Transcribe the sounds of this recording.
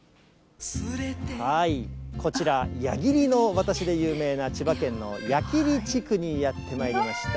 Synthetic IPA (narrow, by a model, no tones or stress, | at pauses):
haikʰo̞t͡ɕiɾajaɡʲiɾʲino̞βat̪aɕid̪e̞jɯːme̞ːnat͡ɕibakẽ̞nːo̞̰jakʲiɾʲit͡ɕikɯ̟ɲ̟ijat̪ːe̞maiɾʲimaɕi̥t̪a